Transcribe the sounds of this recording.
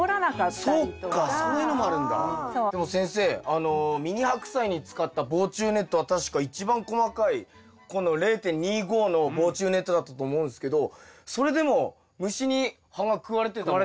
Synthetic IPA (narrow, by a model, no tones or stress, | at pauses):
ɾnasokːasonino̞mo̞aɾɯ̟̃nd̪a̰d̪e̞mo̞sẽ̞se̞ːano̞mʲiɲ̟ihakɯ̟̥saiɲ̟it͡sɨ̥kat̪ːabo̞ːt͡ɕɨːne̞t̪ːo̞βat̪aɕi̥kait͡ɕibãŋko̞makai | ko̞no̞ɾe̞ːt̪ẽ̞ɲ̟ːiːɡo̞ːno̞bo̞ːt͡ɕɨːne̞t̪ːo̞d̪at̪ːat̪o̞ːmo̞ɯ̃nd̪esɨ̥ke̞d̪o̞so̞ɾe̞d̪e̞mo̞ | mɯ̟ɕiɲ̟i | hãŋɡakɯ̟βaɾe̞t̪e̞t̪a